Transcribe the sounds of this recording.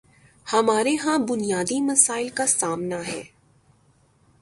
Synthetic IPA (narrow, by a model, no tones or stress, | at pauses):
hɐmaːɾeɦãbʊnijaːd̪imɐsaːɪlkasaːmnaɦɛ̰ː